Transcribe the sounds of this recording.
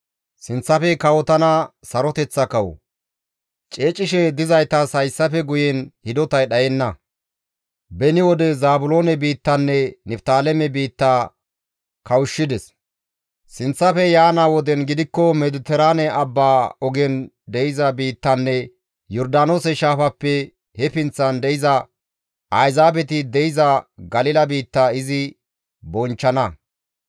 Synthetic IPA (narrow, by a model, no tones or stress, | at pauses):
sɪnt͡sːɐfɛkɐwɔt̪ɐnɐsɐɾɔt̪ɛt͡sːɐkɐw̰ | t͡ʃʼe̞ːt͡ʃʼːɪʃɛd̪ɪzɐjt̪ɐsɐjsːɐfɛɡʊjɛnhɪd̪ɔt̪ɐjɗɐjɛnːɐ | bɛnɪwɔd̪ɛzaːbʊlo̞ːnɛbiːt̪ːɐnːɛnɛft̪aːlɛmɛbiːt̪ːaː | kɐwʊʃːɪd̪ɛs | sɪnt͡sːɐfɛjaːnawɔd̪ɛnɡɪd̪ɪkːɔmɛd̪ʊt̪ɛɾaːnɛɐbːaːɔɡɛn | d̪ɛjɪzɐbiːt̪ːɐnːɛ | jɔɾd̪aːnoːsɛʃaːfɐpːɛ | hɛpɪnt͡sːɐnd̪ɛjɪzɐ | ʔɐjzaːbɛt̪ɪd̪ɛjɪzɐɡɐlɪlɐbiːt̪ːaːɪzɪ | bɔnt͡ʃːɐnɐ